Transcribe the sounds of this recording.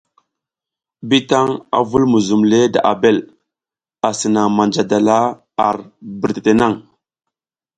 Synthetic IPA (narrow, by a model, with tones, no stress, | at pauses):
bi˦ta˦ŋa̰˨vu˦lmu˨zu˨mle˦da̰˨ʔa˨be˦˨l | a˨sə˨na˨ŋma˨nd͡ʒa˨da˨la˦ | a̰˨ɾbə˨ɾte̥˨te˨na˦˨ŋ